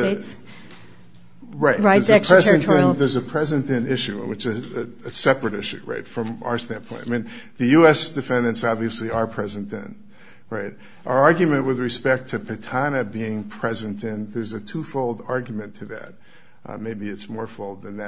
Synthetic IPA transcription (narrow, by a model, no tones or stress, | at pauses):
ɹaɪt̚aɪəzʰɹ̥ɛzɨ̃nɨ̃ðə˞zɨpʰɹ̥ɛzɨ̃ntɨ̃nɪʃʉ̃wɨt͡ʃɨɨɨsɛpɹɨɾɪʃʉ̰ɹa̰ɪtfɹʌ̃ma̰ə˞stæ̃npʰɔ̃ɪ̃taɪmĩnðɨjʉɛsd̥ɨfɛ̃ndɨ̃ntsɑbviɨsliə˞pʰɹ̥ɛzɨ̃nðɨ̰̃n | ɹaɪt̚ | ʔaʊə˞ɑɹɡjɨmɨ̃nʔwɨðɹɨspɛk̚tʰɨpʰɨtʰɑnɨbiɪ̃ŋpʰɹ̥ɛzɨ̃ntɪ̃nðə˞zɨtʰufoʊlˠdɑɹɡjmɨ̃ntʰɨðɨ̰t̚ | ʔmeɪbiɨtsmɔɹfoʊlˠd̪̚ðɨ̃nðɨ